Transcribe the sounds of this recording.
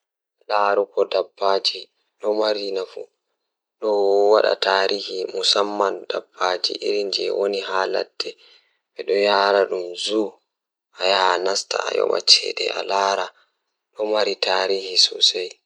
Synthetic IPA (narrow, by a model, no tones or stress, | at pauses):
laːɾukɔdabːaːd͡ʒi | ɗɔmaɾinafu | ɗɔwaɗa̰taːɾʔihimusamːandabːad͡ʒḭʔiɾind͡ʒɛwoniɦaːla̰dːɛ | ɓɛɗɔjaːɾaɗumzu | ʔajanasta̰ajɔ̰ɓa̰t͡ʃɛ̰dɛa̰laːɾa | ɗɔmaɾitaɾihisɔsaj